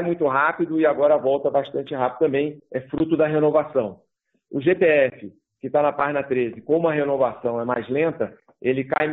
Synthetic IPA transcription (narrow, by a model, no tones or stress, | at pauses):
mũj̃t̪ʊɦapid̪ʊɪaɡɔɾɐvɔwt̪ɐbaʃt̪ɐ̃nt͡ʃɪɦapid̪ʊt̪ɐ̃mbẽj̃ɛfɾut̪ʊd̪ɐɦenovasɐ̃w̃ | ʊʒet̪eɛfɪ | kɪt̪anɐpaʒinɐt̪ɾezɪkõmʊɐɦenovasɐ̃w̃ɛmajzlẽnt̪ɐ | elɪkajm